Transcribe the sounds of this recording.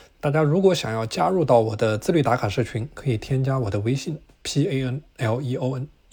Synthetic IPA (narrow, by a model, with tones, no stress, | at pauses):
t̪a˥˩t͡ɕja˥ɻu˧˥kwɔ˧˥ɕjɑ̰˨˩ŋjɑ˥˩ʊt͡ɕja˥ɻu˥˧t̪ɑ˥˩ʊwɔ˨˩d̪ə˦t͡sɹ̩˥˧ly˥˩t̪a˧˥kʰa˨˩nʂɤ˥˩t͡ɕʰy˧˥nkʰɤ˧˥i˨˩t̪ʰjɛ˥nt͡ɕja˥wɔ˨˩d̪ə˦we˧˥ɪɕi˥˩n | pʰi˥e˥ə˥nɛ˥˩li˧˥o˥˧ə˥n